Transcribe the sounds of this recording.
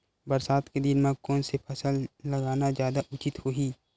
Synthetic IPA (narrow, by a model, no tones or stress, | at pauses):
bəɾsaːt̪ked̪ɪnmãkɔːnsepʰɐsəlːɐɡaːnazjaːd̪aʔʊt͡ʃɪt̪hoːɦiː